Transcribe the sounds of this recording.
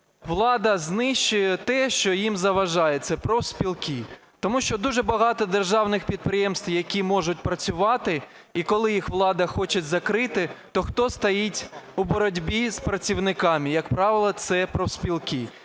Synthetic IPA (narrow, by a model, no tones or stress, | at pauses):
ʋlˠɑd̪ɐznɪʃt͡ʃʊjɛt̪ɛʃt͡ʃɔjimzɐʋɐʒɑjet͡ssʲɐpɾɔwsʲpʲilˠki | t̪ɔmuʃt͡ʃɔd̪uʒɛbɐɦɑt̪ɔd̪erʒɑwnɪxpʲid̪̚pɾɪjɛmst̪ʋjɐkʲimɔʒʊt̚ʲpɾɐt͡sʲʊʋɑt̪ɪ | ikɔlˠɪjixʋlˠɑd̪ɐxɔt͡ʃɪzɐkɾɪt̪ɪt̪ɔxt̪ɔst̪ɐjitʲubɔɾɔdʲbʲispɾɐt͡sʲiwnɪkɑmʲijɐkpɾɑʋɪlˠɐt̪sɛpɾɔspʲilˠki